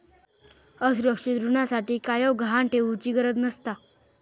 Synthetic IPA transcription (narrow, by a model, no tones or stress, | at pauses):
əsuɾəkʂid̪ɾunasaʈiːkajəwɡʱɦaɳʈʰeut͡ɕiɡəɾət̪nəst̪a